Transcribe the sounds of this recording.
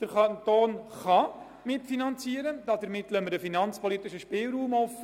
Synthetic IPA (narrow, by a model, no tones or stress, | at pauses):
d̥əɾkɑnt̪oːnχɑ | mɪtfinɑnt͡siəɾəd̥̪ɑːd̥̪əɾmɪt̪l̩œməɾəfinɑnt͡spɔlit̪ɪʃəʃpɪːlɾuːmɔfə